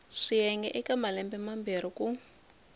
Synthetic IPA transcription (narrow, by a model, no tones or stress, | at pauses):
ʂijɛŋɡɛʔɛkamalɛmbɛmambiɾ̤iku